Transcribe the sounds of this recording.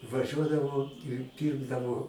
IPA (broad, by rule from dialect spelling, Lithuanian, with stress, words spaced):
ʋɐˈʒʲuɔdɐʋoː ɪr ˈpʲiːrɡdɐʋoː